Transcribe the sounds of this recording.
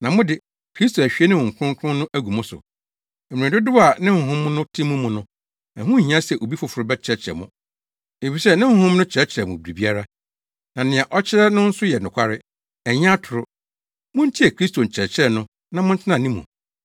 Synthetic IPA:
nã˨mʊ̃˦dɪ˨ | kʰɾi˦s̬to˨æ˨ɕᶣi˦e˦nɪ̃˦mʊ̃˨ŋ̩˨kʰʊ̃˦ŋ˦kʰʊ̃˦nʊ̃˦ʔæ˦ɡu˨mʊ̃˦sʊ̰˨ | ɛ˨m̃˨dʊ˦dʊ˦wa˨nɪ̃˦h̩˨ɦʊ̃˦mnʊ̃˦tʰĩ˦mʊ̃˦mʊ̃˨nʊ̃˦ | æ̃˨hʊ̃˦˨ɦĩ˦ã˦sɛ˨ʔo˨bi˦fʊ˨fʊ˨ɾʊ˦bɛ˦t͡ɕʰɪ˦ɾɛ˦t͡ɕʰɾɛ̰˨mʊ̃˨ | e˨fi˨sɛ˦nɪ̃˦hʊ̃˦hʊ̃˦mnʊ̃˦t͡ɕʰɾɛ˦t͡ɕʰɪ˨ɾɛ˨mʊ̃˨bɾi˨bi˦a˦ɾa˦ | nã˨nɪ̃˨ã˨ʔɔ˦t͡ɕʰɪ˦ɾɛ˦nʊ̃˦n̩˦sʊ˦jɛ˨nʊ̃˨kʷʰa˦ɾɪ˦ | ɛ˨ɲ˦ã˦tʰʊ˨ɾʊ˦ | mʊ̃˦n̩˦tʰi˦ɛ˨kʰɾi˦sto˨n̩˨t͡ɕʰɛ˨t͡ɕʰɾɛ˦˨nʊ̃˦ | nã˨mʊ̃˦n̩˦tʰɪ˦nã˨nĩ˦mʊ̰̃˨

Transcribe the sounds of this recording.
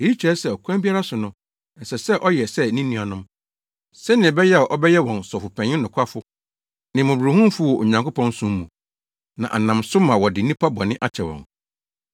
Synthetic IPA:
e˨ji˦t͡ɕʰɾɛ˦sɛ˨ɔ˨kʰã˦mbi˦a˦ɾa˦sʊ˨nʊ̃˦˨ | n̩˨sɛ˨sɛ˦ʔɔ˦jɛ˨sɛ˦˨nĩ˦nĩ˦˨a˨nʊ̃˦m | sɛ̃˦nɪ̃˨bɛ˦jɛ˦a˨ʔɔ˦bɛ˦jɛ˦wɔ̃˨nsɔ˨fʊ˨pʰɛ̃˨ɲɪ̃˦nʊ̃˨kʰʷa˦fʊ˦ | nɪ̃˨mʊ̃˨bu˨ɾu˨ɦũ˦m˦fʊ˦wɔ˨ʔo˨ɲã˨ŋkʊ˦pʰɔ̃˦n˦sʊ̃˦m˦mṵ̃˨ | nã̰˨ʔa̰˨nã˨msʊ˦mã˨wɔ˨dɪ˨˦nĩ˦pʰa˦bɔ˨nɪ̃˦ʔa˦t͡ɕʰɛ˨wɔ̰̃˨n

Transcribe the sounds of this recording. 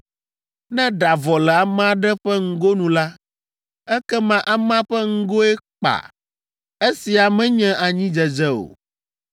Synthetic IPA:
nɛ̃˦ɖa˨vɔ˨lɛ˨a˨mã˦ɖɛ˦ɸɛ˦ŋ̩˦ɡo˦nũ˨la˦ | ɛ˦kɛ˦mã˦ʔa˨mã˦ɸɛ˦ŋ̩˦ɡo˦ɛ˦k͡pa̰˨ | e˦si˨a˨mɛ̃˦ɲɛ̃˦ʔa˨ɲĩ˦d͡ʒɛ˨d͡ʒɛ˦o̰˨

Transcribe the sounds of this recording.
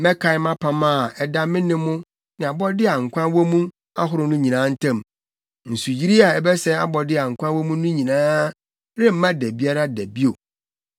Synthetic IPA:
mɛ˦kʰa˨ɪ˦mã˦pʰã˨mã˦˨ɛ˨da˦mɪ̃˦nɪ̃˦mːʊ̃˦ | nɪ̃˨a˨bɔ˦dɪ˦a˨ŋ̩˨kʷʰã˦wo˦mũ˦ | a̰˦ɦʊ˦ɾʊ˨nʊ̃˦ɲĩ˨nãː˦n̩˦tʰã˦˨m | n̩˨su˨d͡ʑi˦ɾi˦a˨ɛ˦bɛ˦sɛ˦a̰˦bɔ˨dɪ˦a˨ŋ̩˨kʷʰã˦wɔ˦mũ˦nʊ̃˦ɲĩ˨nãː˦ | ɾɪ˦m̩˦mã˦dɛ˨bi˦a˦ɾa˦dæ˨bi˦o˨

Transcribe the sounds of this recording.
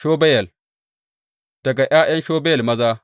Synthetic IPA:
ʃoː˦bɐ˦jɐ˨l | d̥ɐ˨ɡa˨ʔj̰aː˦j̰ɐ˦nʃoː˦bjɐ˨lmɐ˦zaː˦

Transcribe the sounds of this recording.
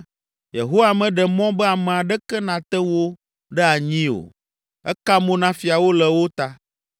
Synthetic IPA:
jḛ˨ɦo˦wa˨mɛ̃˨ɖɛ˨mɔ̃˦bɛ˦a˨mɛ̃˨a˨ɖɛ˦kɛ˦nã˨t̪ɛ˦wo˦ | ɖɛ˦a˨ɲĩ˦o̰˨ | ɛ̰˦ka˦mõ˦nã˦fi˨a˨wo˦lɛ˨wo˦t̪a˦

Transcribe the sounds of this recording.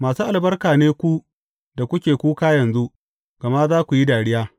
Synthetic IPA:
maː˨suː˦ʔa˨lbɐ˦rkaː˨neː˦kʷu˦ | da˨kʷʊ˦kʲeː˨kʷuː˦kaː˦jɐ˨nzu˦ | ɡ̥ɐ˨ma˦zaː˦kʷu˨ji˦daː˨ɽɪ˦jaː˦

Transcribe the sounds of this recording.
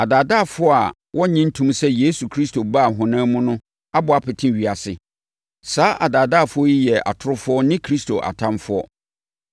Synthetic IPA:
a˨daː˨da˦˨fʊ˦ɔ˦a˨ | wʔɔ˦ɲɪ̃˦n̩˦tʰũ˦msɛ˦je˦su˨kʰɾi˦sto˨ba˦˨ɦʊ̃˨nãː˦mũ˦nʊ̃˦ | a˦bʊ˨a˨pɪ˨tʰɪ̃˦ɥi˨a˨sɪ˨ | saː˦ʔa˨daː˨daː˦˨fʊ˦ɔ˦ji˦jɛ˨ʔa̰˨tʰʊ˦ɾʊ˦fʊ˦ɔ˦nɪ̃˦kʰɾi˦stʰo˨ʔa̰˨tʰã˦mfʊ˦ɔ̰˦

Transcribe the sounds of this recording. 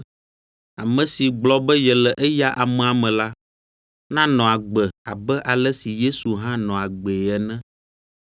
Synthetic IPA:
a˨mɛ̃˨si˨ɡ͡blɔ˦bɛ˦jɛ˨lɛ˨ʔɛ˦ja˦ʔa˨mɛ̃˨a˨mɛ̃˨la˦ | nã˦nɔ̃˨a˨ɡ͡bɛ˨a˨bɛ˦ʔa˨lɛ˦si˨je˦su˨ɦã˦nɔ̃˨a˨ɡ͡be˨ɛ˨nɛ̃˦

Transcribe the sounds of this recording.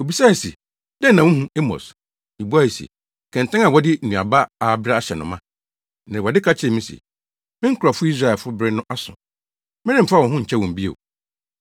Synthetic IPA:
o˨bi˨sa˦˨sḭ˨ | dɛ˦nːã˨wũ˦hũ˦e˦mɔ̰˨s | i˨bu˦a˦˨sḭ˨ | kʰɛ̃˨n̩˨tʰã˦ŋa˨wɔ˦dɪ˦˨nũ˨a̰˨ba˦a˨bɪ˦ɾa˦a˦ɕɛ˨nʊ̰̃˨mã˦ | nɪ̃˨wɔ˨dɪ˦kʰa˦t͡ɕʰɪ˨ɛ˨mĩ˦sḭ˨ | mɪ̃˦ŋ̩˦kʰʊ˨ɾa˨fʊ˦i˦s̬ɾa˨ɛ˨fʊ˦bɾɪ˦nʊ̃˦ʔa˦sʊ̰̃˨ | mɪ̃˦nɪ̃˦m̩˨fa˦wɔ̃˨ɦʊ̃˦ɲ̩˨t͡ɕʰɛ˦wɔ̃˨m̩˨bi˦ḛ˨

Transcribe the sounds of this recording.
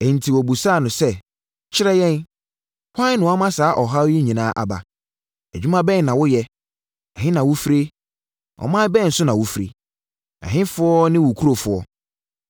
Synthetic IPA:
e˨n̩˨tʰi˨wɔ˨bu˨sa˦˨nʊ̃˨sɛ˦ | t͡ɕʰɪ˦ɾɛ˦jɛ̃˦n | kʷʰã˦n˦nʊ̃˨wa˦mã˦saː˨˦ʔɔ˨ɦa˦wji˦ɲĩ˨nãː˦ʔa̰˨ba̰˨ | æ˨d͡ʑᶣu˦mã˦bɛ˦˨nã˨wʊ˦jɛ˦ | ɛ˨ɦɪ̃˦nã˨wʊ˦fi˦ɾe˦ | ʔɔ̰˨mã˦bɛ˦˨n̩˨sʊ˦nã˨wʊ˦fi˨ɾḛ˨ | ɛ̰˨ɦɪ̃˦fʊ˦ɔ˦nɪ̃˦wʊ˨kʰu˦ɾo˦˨fʊ˨ɔ˦

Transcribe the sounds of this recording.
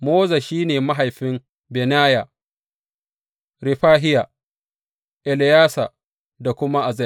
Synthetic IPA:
moː˦za˨ʃiː˦neː˨ma˦ɦa˨jɸɪ˦m | bɛ˨naː˦ja˨ | ɾɪ˨ɸaː˦ɦɪ˦ja˨ | ʔɛ˨lɪ˨jaː˦sa˨ | da˨kʷʊ˦ma˦ʔa˨zɛ˦

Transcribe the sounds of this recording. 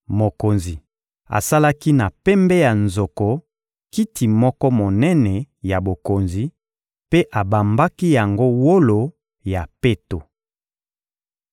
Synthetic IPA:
mo˨ko˨nzi˨ | a̰˨sa˦la˦ki˦na˨pɛ˦mbɛ˦ja˨nzo˨ko˨ | ki˦ti˨mɔ˦kɔ˦mo˨nɛ˦nɛ˨ | ja˨bo˨ko˨nzi˨ | pe˦ʔa˨ba˨mba˦ki˦ja˨ŋɡo˦wo˦lo˨ | ja˨pe˦to˨

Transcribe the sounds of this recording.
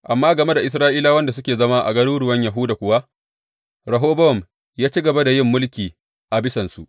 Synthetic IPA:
ʔa˨mːaː˦ɡɐ˨me˦da˨ʔɪ˨s̬ɾaː˦ʔiː˦laː˦wɐ˦nda˨sʊ˦kʲeː˨zɐ˦maː˦ʔa̰˨ɡɐ˦nuː˦ɽʊ˦wɐ˦ɲja˨ɦʊ˦daː˨kʷʊ˦wa˦ | ɾɐ˨ɦoː˦bɐ˦ɔ˨m | jaː˦t͡ʃi˦ɡɐ˨ba˦da˨jɪ˦˨mːʊ˦lkʲiː˨ | ʔa˨bɪ˦sɐ˨nsu˨ʔ

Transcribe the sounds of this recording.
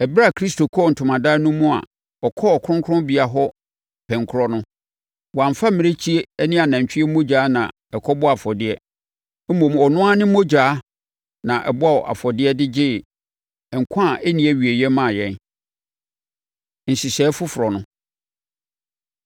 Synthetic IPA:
ɛ˨bɾa˦˨kʰɾi˦sto˨kʰɔ˦˨n̩˨tʰʊ˨mã˨da˦nʊ̃˦mũ˦a̰˨ | ɔ˨kʰɔ˦ɔ˨kʰʊ̃˦ŋkʰʊ˦ɾʊ̃˦bi˨a˨ɦɔ˦˨ | pʰɛ̃˨ŋkʰʊ˦ɾɔ˦nʊ̃˦ | wɔ˨ã˨m˨fa˦mɪ̃˨ɾe˦t͡ɕʰi˦e˦nĩ˦a˨nã˨ɲ˨t͡ɕᶣɪ˦ɛ˦mo˦d͡ʑaː˨˦nã̰˨ | ɛ˨kʰɔ˦bɔ˦a˨fɔ˨dɪ˦ɛ˦ | m̩˦mõ˨mɔ˨nʊ̃˦a˦nɪ̃˦mo˦d͡ʑaː˨˦ | nã˨ʔɛ̰˨bʊ˦a˦wɔ˨ʔa̰˨fɔ˨dɪ˦ɛ˦dɪ˦d͡ʑɪː˦˨ | ŋ̩˨kʷʰã˦˨ɛ˦nĩ˨˦ɛ˦ɥi˨e˨jɛ˦mã˦˨jɛ̃˦˨n | n̩˨si˨sɛː˨˦fʊ˦fʊ˨ɾɔ˨nʊ̃˦

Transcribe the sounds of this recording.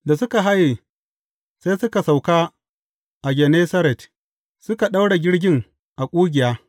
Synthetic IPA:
da˨sʊ˦ka˨ɦa˦je˨ | saː˦jsʊ˦ka˨sa˨wkaː˦ | ʔa˨ɡʲɛ˨neː˦sɐ˦ɾɛ˨t | sʊ˦ka˨ɗa˦wɽa˨ɡʲɪ˦ɽɡʲɪ˦ŋ | ʔa˨kʷʼuː˦ɡʲɪ˨jaː˦

